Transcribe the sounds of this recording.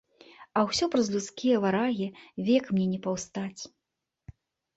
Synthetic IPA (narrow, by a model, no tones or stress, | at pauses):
ɐwsʲɔpɾɐzlʲut̪skʲijɐvaɾaɣʲivʲɛkmnʲɛnʲɛpawst̪at͡sʲ